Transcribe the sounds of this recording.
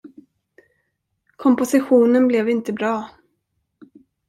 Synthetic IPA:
kʰɔmpʊsɪɧuːnənblɛvɪnt̪əbɾɑː

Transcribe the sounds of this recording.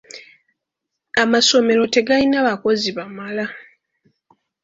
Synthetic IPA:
amaso̞me̞ɾo̞te̞ɡalinaβako̞ziβamala

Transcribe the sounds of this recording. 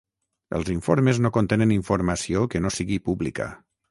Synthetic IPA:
ə̰lˠziɱfoɾmeznokont̪enəniɱfuɾmasiokənosiɣipublika̰

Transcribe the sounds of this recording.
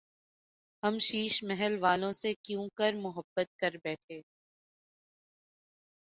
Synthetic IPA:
hɐmʃiːʃmɛɦəlʋaːlõsekjũːkɐɾmʊɦəbːət̪̚kɐɾbɛːʈʰeː

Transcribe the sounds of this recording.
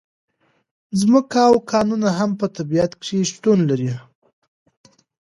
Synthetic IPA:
zməkaːwkʰɑnunaɦampət̪abiat̪kʂeʃt̪unlaɾi

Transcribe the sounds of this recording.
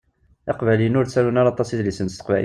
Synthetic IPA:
ɑqvælinʊɾt̪t͡sːælunɑɾˤɑt̪ˤːɑsid̪lisənt̪əst̪ə̥qvæʔ

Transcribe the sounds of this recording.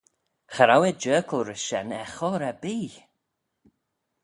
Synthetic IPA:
xaɾawɛd͡ʒɜːkʰlˠɾəsʃɛ̰nɛxɔɾɛbiː

